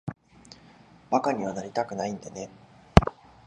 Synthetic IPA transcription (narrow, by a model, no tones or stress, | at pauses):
bakaɲ̟iβ̞anaɾʲit̪akɯ̟naĩnd̪ane̞